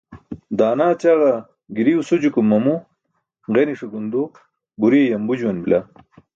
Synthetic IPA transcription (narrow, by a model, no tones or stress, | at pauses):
d̪aːnaːt͡ɕaɣɐ | ɡiɾiusud͡ʑukumːɐmu | ʁeniʂuɡund̪u | buɾijɐmbud͡ʑuwɐnbila